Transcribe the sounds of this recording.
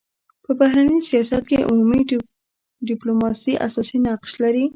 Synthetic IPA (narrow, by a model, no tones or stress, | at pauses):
pəbahɾanisijɑsat̪̚keʔṵmumi | ɖɪplomɑsiʔa̰sɑsinaqʃlaɾi